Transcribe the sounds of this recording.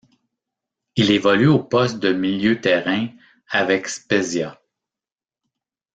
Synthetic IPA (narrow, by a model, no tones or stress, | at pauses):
ilevɔlyopɔst̪̚d̪əmiljøt̪ɛʁɛ̃ | avɛkspezja